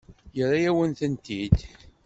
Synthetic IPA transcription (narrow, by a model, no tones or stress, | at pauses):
jəɾːajæwənθənt̪id̪